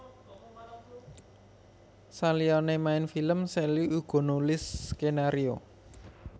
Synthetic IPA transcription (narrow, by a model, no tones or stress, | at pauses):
salijɔnemaɪnfiləmsɛliuɡ̥ɔ̤nulɪskenaɾio̰